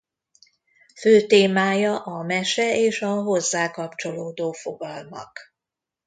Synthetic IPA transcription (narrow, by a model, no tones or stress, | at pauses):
føːt̪eːmaːjɒʔɒmɛʃɛeːʃɒɦo̞zːaːkɒpt͡ʃo̞loːd̪oːfo̞ɡɒlmɒ̰k